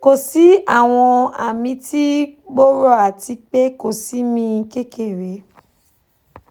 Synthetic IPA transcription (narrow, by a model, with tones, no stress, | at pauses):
ko˨si˨˦a˦˨w̃ɔ̃˧a̰˨mĩ˧tʰi˦ɡ͡bo˦ɾo˦a˨ti˧k͡pe˦ko˦˨si˨˦mĩ˧ke˦ke˦˨ɾe˨˦